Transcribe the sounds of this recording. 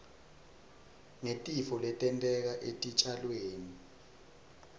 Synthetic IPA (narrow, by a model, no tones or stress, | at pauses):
ŋetʼifɔlɛtʼɛntʼɛk̬aʔetʼit͡ʃʼalweːni